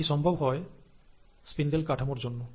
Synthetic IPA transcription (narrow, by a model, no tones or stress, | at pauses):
iʃɔmbʱobɦɔe | spind̪elkaʈʰamoɾd͡ʑonːo